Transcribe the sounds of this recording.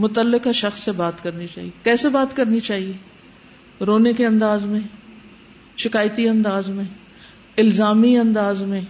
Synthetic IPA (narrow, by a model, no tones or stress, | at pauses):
mʊt̪əlːɪkaʃɐxsːebaːt̪kɐɾnit͡ʃa̰ːɦiekɛːsebaːt̪kɐɾnit͡ʃaːɦieː | ɾoːnekeɐ̃nd̪aːzmẽ | ʃɪkaːjt̪iɐ̃nd̪aːzmẽ | ɪlzaːmiɐ̃nd̪aːzmẽ